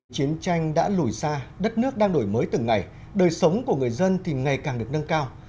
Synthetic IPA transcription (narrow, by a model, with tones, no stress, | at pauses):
t͡ɕi˨˦ənt͡ɕa˧jŋ̟ɗa̰ː˧˥lu˧˩jsaː˧ɗə˦˥t̚nɨ˦˥ək̚ɗaː˧ŋɗo˧˩jməː˨˦jt̪ɨ˨˩ŋːa˨˩j | ɗəː˨˩jsə˨˦wŋ͡mku˧˩əŋɨ˨˩əjzə˧nt̪ʰi˨˩ŋa˨˩jkaː˨˩ŋɗɨ˨˩əknə˧nkaː˧w